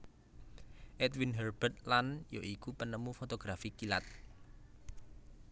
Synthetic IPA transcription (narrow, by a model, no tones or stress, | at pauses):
ʔɛt̪winɦərb̥ət̪̚lanjo̰ʔikupənəmufot̪oɡ̥ɾafikilat̪̚